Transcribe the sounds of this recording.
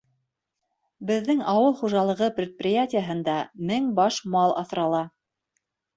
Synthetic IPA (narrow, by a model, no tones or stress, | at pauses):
bɘ̆ðːɘŋɑwɤlˠχuʒɑlˠɤ̆ʁɤprʲɪt̪̚pʲɪjatʲɪjaɦɤ̆nd̪ɑmɘŋbɑʃmɑlˠɑ̰θɾɑlˠɑ